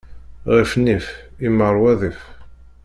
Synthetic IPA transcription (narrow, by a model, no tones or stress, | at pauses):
ʁifnifiməɾˤwæðif